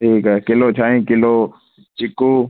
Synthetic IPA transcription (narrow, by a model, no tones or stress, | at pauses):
iːkɛkɪloːt͡ʃʰaːĩːkɪloː | t͡ʃɪkuː